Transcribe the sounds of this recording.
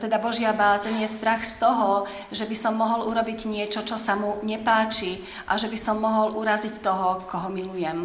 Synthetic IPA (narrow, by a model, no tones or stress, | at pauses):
t̪ɛd̪abɔʒɪabaːzɲjɛst̪ɾaxst̪ɔɦɔ | ʒɛbisɔmːɔɦɔluɾɔbiɟɲɪɛt͡ʃɔt͡ʃɔsamuɲɛpaːt͡ʃi | ʔa̰ʒɛbisɔmːɔɦɔlʔuɾazict̪ɔɦɔkɔɦɔmilujɛm